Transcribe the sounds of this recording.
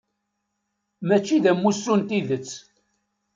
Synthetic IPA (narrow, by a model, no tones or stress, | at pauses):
mæt͡ʃːiðæmːusːunt̪iðət͡sː